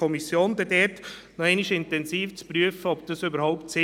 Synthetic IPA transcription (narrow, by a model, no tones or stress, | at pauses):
ɔmisjoːnd̪ɛdɛːɾt | nɔɛɪniʃɪntɛnsiːft͡spɾyəfəɔbd̥əsʏbəɾhaʊptsɪ